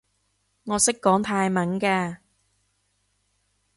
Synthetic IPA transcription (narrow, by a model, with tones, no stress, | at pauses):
ŋɔː˨˧sɪ˥kːɔː˨˥ŋt̪ʰaː˧jmɐ˨˥nkɛː˧